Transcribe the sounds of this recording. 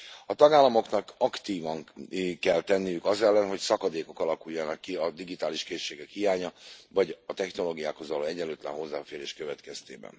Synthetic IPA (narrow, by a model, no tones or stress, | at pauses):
ɒt̪ɒɡaːlːɒmo̞knɒkɒkt̪iːvɒŋkɛlt̪ɛnːijykɒzɛlːɛnɦo̞csɒkɒd̪eːko̞kɒlɒkujːɒnɒkːiɒd̪iɡit̪aːliʃkeːʃːeːɡɛkhijaːɲɒvɒɟɒt̪ɛxno̞loːɡijaːkho̞zʋɒloːɛɟɛløːt̪lɛ̰nɦo̞zːaːfeːɾeːʃkøvɛt̪kɛst̪eːbɛ̰n